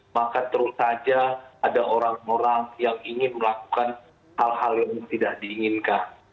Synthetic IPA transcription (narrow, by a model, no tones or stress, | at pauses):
makat̪əɾʊsad͡ʒaːdaʔoɾaŋoɾaŋjaŋiŋɪnməlaku̥kan | halhaljaŋməŋt̪idakdiːŋɪnkan